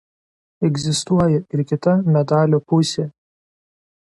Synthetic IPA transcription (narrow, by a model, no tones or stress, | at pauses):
ɛɡzʲɪst̪uɔjɛɪɾkʲɪt̪ɐmʲɛd̪ɑːlʲoːpʊsʲeː